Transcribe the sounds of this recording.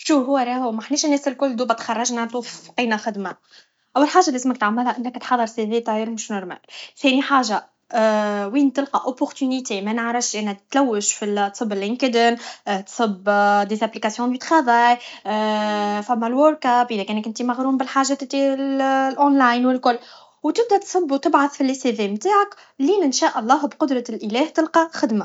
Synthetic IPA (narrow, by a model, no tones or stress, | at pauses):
ʃuːɦʊwːæɾˤɑhʊmaħniːʃnːɛːsɪlkʊlːd̪uːbæt̪xɑrˤːɑʒnænt̪ˤuːfqiːnaxɪd̪ma | ʔæwːælħaːʒalæsmæk̚t̪ʕamːɪlhæʔɪnːækt̪ħɑðˤːəɾˤseðeːt̪ɑɪɾmʃnʊɾˤmæ̰lθɛːniħaːʒa | wiːnt̪ɪlqɑʔopːʊɾt̪ynit̪emænəʕɾˤɑfʃʔænæt̪ːlæwːəʃfilt̪sˤɨbːɪlːɪŋkəd̪ənt̪sˤɨbd̪ezæplikasjɔ̃d̪yt̪xɑðˤɑːj | fæmːælwoɾkæpʔəðækɛːnkʔɪnt̪imaɣɾuːmbɪlħaːʒat̪ɪt̪ːillʔonlaːjnwɪlkʊlː | wt̪ɪb̚d̪æt̪sˤɨbːt̪ɪbʕaθfilːɪseðemt̪aːʕak | liːmɪnʃæːʔɑlˤːɑːhbqʊd̪ɾˤɑlʔəlɛːht̪ɪlqɑxɪd̪ma